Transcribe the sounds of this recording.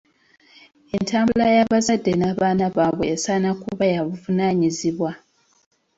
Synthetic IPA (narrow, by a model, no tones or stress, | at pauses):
e̞ntaːmbulajaβazadːenaːβaːnaβaːβweːsaːnakuβajaβuvunaːɲiziβwa